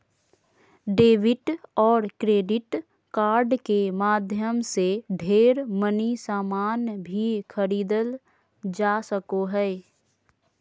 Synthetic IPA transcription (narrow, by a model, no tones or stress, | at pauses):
ɖeːʋɪʈɔːɾkɾeːɖɪʈ | kaːɾɖkemaːd̪ʱjəmseɖʱeːɾmənisaːmaːnbʱikʰəɾiːd̪əl | d͡ʒaːsəkoɦɛː